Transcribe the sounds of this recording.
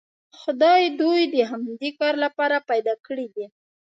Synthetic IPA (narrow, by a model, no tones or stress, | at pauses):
xʊd̪ɑjd̪ujd̪əɦamd̪ekɑɾlapɑɾapajd̪ɑkəɽid̪i